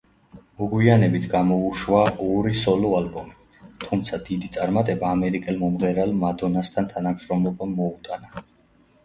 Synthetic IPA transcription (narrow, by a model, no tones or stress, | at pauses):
mɔɡwianɛbit̪ʰɡamɔuʃwaɔɾisɔlɔalbɔmi | t̪ʰumt̪sʰad̪id̪it̪sʼaɾmat̪ʼɛbaːmɛɾikʼɛlmɔmʁɛɾalmad̪ɔnast̪ʰant̪ʰanamʃɾɔmlɔbamːɔut̪ʼana